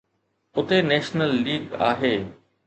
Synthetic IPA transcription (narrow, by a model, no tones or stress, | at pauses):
ʊt̪eneːʃnəlːiːɡa̰ːɦeː